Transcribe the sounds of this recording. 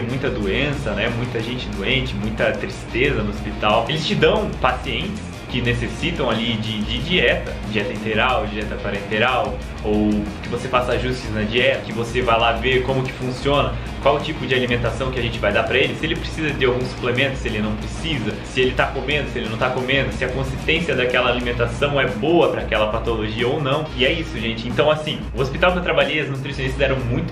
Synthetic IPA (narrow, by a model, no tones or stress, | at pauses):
mũj̃t̪ɐd̪oẽsɐnɛmũj̃t̪ɐʒẽnt͡ʃɪd̪oẽnt͡ʃɪmũj̃t̪ɐt̪ɾist̪ezɐnʊospit̪awelɪst͡ʃɪd̪ɐ̃w̃pasiẽnt͡ʃɪ̥s | kɪnesesit̪ɐ̃w̃alid͡ʒɪd͡ʒɪd͡ʒiɛt̪ɐd͡ʒiɛt̪ɐĩnt̪eɡɾawd͡ʒiɛt̪ɐkaɾẽnt̪eɾaw | owkɪvosefasɐaʒust͡ʃɪznɐd͡ʒiɛt̪ɐkɪvosevajlaveɾkõmʊkɪ̥fũsiõnɐ | kwawʊt͡ʃipʊd͡ʒɪalimẽnt̪asɐ̃w̃kɪaʒẽnt͡ʃɪvajd̪aɾpɾɐelɪsɪelɪpɾesizɐd̪eawɡũsu̥plemẽnt̪ʊ̥sɪelɪnɐ̃w̃pɾesizɐsɪelɪt̪akomẽnd̪ʊsɪelɪnɐ̃w̃t̪akomẽnd̪ʊsɪɐkõsist̪ẽsiɐd̪akɛlɐalimẽnt̪asɐ̃w̃ɛboɐpɾɐːkɛlɐpat̪oloʒiɐownɐ̃w̃ɪɛisʊʒẽnt͡ʃɪẽnt̪ɐ̃w̃asĩʊospit̪awpɾɐt̪ɾabaʎejɐznut̪ɾisjõnist̪ɐzɛɾɐ̃w̃mũj̃t̪ʊ̥